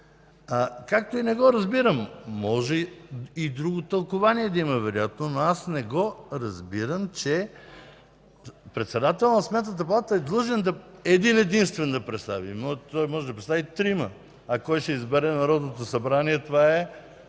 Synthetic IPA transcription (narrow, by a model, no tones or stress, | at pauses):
akak̚t̪oinɛɡɔɾɐzbiɾəmːɔʒɛid̪ɾuɡot̪ɐlˠkʊvaniɛd̪ɐimɐvɛɾojat̪nonoasnɛɡɔɾɐzbiɾəmt͡ʃɛ | pɾɛt̪sɛd̪at̪ɛlˠnɐsmɛt̪nət̪əpɐlˠat̪əɛd̪lˠɤʒɛnd̪ɐɛd̪inɛd̪inst̪vɛnd̪ɐpɾɛt̪st̪avḭmnot̪ɔjmɔʒɛd̪ɐpɾɛt̪t̪avit̪ɾimə | ɐkɔjʃɛizbɛɾɛnɐɾɔd̪not̪osɐbɾaniɛt̪ovaɛ